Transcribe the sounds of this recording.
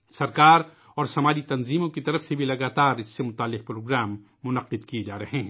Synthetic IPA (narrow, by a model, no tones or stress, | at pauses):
sɐɾkaːɾ | ɔːɾsɐmaːd͡ʒit̪ɐnziːmõkit̪ɐɾəfsebʱilɐɡaːt̪aːɾɪsːemʊt̪aːlːɪq̚pɾoːɡɾaːmː | ʊnɐqɪd̪kied͡ʒaːɾɐɦeɦɛ̃ː